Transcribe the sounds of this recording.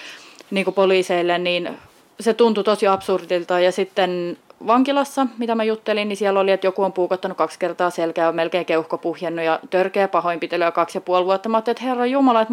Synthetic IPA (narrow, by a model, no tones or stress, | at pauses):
niːŋkupoliːseilːenniːn | set̪unt̪ut̪osiɑpsurdilt̪ɑːjɑsit̪ːenʋɑŋkilɑsːɑmit̪æmæjut̪ːelinnisiæloliet̪jokuompuːkɑt̪ːɑnukɑkskert̪ɑːselkæːomelkeːŋkeuhkopuhjɑnːujɑt̪ørkeːpɑhoimpit̪eløːkɑksjɑpuɑlʋuɑt̪ːɑmɑt̪ːeet̪herːɑjjumɑlɑet̪